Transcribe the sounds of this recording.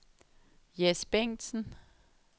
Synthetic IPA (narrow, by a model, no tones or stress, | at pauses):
jesb̥eŋ̰d̥sn̩